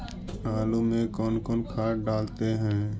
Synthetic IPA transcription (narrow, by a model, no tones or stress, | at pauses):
aːlumẽkɔːnkɔːnkʰaːʈɖaːlt̪eɦɛ̃ː